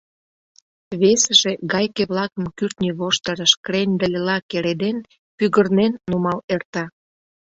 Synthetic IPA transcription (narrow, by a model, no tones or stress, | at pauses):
βesəʒeɣɑjkeβlɑkəmkyrt̪nʲiβoʃt̪əɾəʃkrenʲd̪əlʲelɑkeɾed̪en | pyɣərnenːumɑlert̪ɑ